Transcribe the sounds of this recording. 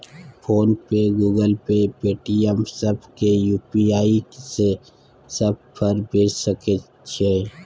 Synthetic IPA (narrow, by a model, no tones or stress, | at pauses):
pʰoːnpeɡuːɡəlpepeːʈiɛmsəbʱkejuːpiaːise | səb̚pʰəɾbʱeːt͡ʃsəke | t͡ʃʰeː